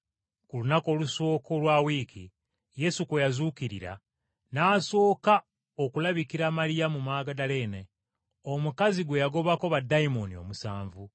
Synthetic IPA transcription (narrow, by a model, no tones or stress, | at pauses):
kulunako̞luso̞ːkolwaːwiːkʰḭ | je̞sukejazuːkiɾḭɾa̰ | naːso̞ːka | okulaβikiɾamaɾijamumaːɡadale̞ne | omukaziɡwe̞jaɡo̞βako̞βadːaimonio̞̰musaːɱvu